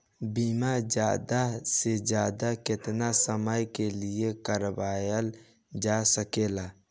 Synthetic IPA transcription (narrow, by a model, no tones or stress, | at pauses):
biːmad͡ʒja̰ːd̪ased͡ʒjaːd̪akɪt̪nasəməjkeliekəɾʋaːjəl | d͡ʒasəkeːla